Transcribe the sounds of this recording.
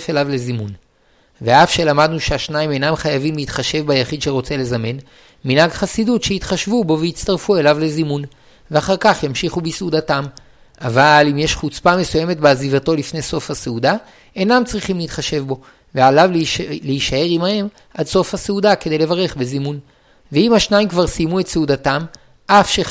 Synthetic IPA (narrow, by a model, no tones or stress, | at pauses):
felavle̞zimun | ve̞afʃe̞lamad̪nuʃeaʃnaimenamχajavimleit̪χaʃe̞vbajaχid̪ʃeʁo̞t͡se̞le̞zame̞n | minaɡχasidutʃeit̪χaʃvubo̞veit͡st̪aʁfue̞lavle̞zimun | veaχaʁkaχjamʃiχubisudatam | avalimjeʃχut͡spame̞suje̞me̞tbeazivato̞lifne̞jso̞fhaseuda | e̞namt͡sʁiχimleit̪χaʃe̞vbo̞ | vealavlleiʃae̞ʁimahe̞m | ʔadso̞fhaseudake̞d̪ejle̞vaʁe̞χbezimun | veimhaʃnaimkvaʁsijmue̞tseudatam | ʔafʃe